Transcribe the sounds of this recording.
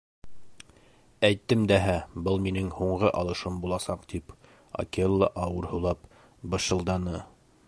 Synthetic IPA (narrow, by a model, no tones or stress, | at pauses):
æjt̪ːɘmd̪æɦæbɤlˠminɘŋhuɴʁɤʔɑlˠɤ̆ʃɤmbulˠɑsɑqt̪ip | o̰kelˠːɑ̰ʔɑwɤɾhɤ̆lˠɑp̚ | bɤ̆ʃɤ̆lˠd̪ɑnɤ